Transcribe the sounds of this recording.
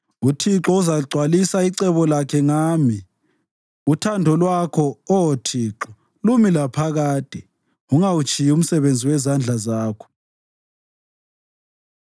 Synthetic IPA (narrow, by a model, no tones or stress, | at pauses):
utʰiǁɔuzaǀʱwalisaiǀɛβɔlakʰɛŋaːmi | utʰandʱɔlwakʰɔɔwotʰiːǁɔ | lumilapʰaɣaːd̥ʱʼi | uŋawut͡ʃʰʼijum̩sɛβend͡zʱiwɛzand͡ɮʱazaːkʰɔ̥